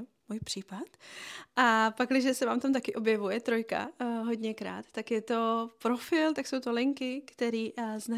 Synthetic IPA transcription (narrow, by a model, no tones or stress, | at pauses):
muːjpr̥iːpat̪ʔapaklɪʒɛsɛvaːmt̪amt̪akɪʔo̞bjɛvujɛt̪ɾo̞jka̰ɦo̞dɲɛkɾa̰ːt̪ːakjɛt̪o̞pɾo̞fɪlt̪akso̞wt̪o̞lɪŋkɪkt̪ɛɾiːzna